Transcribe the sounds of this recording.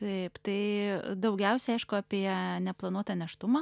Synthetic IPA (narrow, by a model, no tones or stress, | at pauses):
t̪ɛɪpt̪ɐɪd̪ɐʊɡʲɛʊsʲɛɐɪʃkʊɐpʲiɛnʲɛplˠɐnuɔt̪ɐnʲɛʃt̪ʊmɐ